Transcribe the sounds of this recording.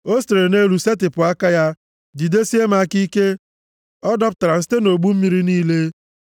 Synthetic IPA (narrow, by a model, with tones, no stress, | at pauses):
o˦ste˨ɾe˨ne˦ɾu˨se˦tɪ˨pʊ˨a˦ka˦ja˦ | di˨de˦si˦e˦ma˦ki˦ke˦ | ɔ˦dɔ˦pʊ˨ta˨ɾa˨n̩˦ste˦no˨ɡ͡bu˦m̩˦mi˨ɾi˦niː˦le˦